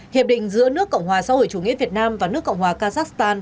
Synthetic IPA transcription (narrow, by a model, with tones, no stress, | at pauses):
hi˨˩p̚ɗï˧˨ŋ̟zɨ̰˧˥ənɨ˦˥əkːə̰˧˨wŋ͡mhwaː˨˩saː˧ho̰˧˨jt͡ɕu˧˩ŋḭ˧˥vi˨˩ət̚naː˧mvaː˨˩nɨ˦˥əkːə̰˧˨wŋ͡mhwaː˨˩kaː˧zaː˦˥kst̪aː˧n